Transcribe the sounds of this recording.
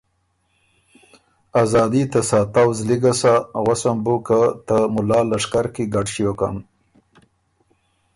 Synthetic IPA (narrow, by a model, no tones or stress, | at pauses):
azɑːd̪it̪asɑt̪awzliɡasaɣasambukət̪əmʊlɑːlaʂkaɾkiɡaɖʃijoka̰m